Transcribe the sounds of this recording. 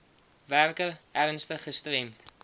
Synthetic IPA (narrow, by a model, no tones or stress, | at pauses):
værkəæɾənstəχəstrɛmt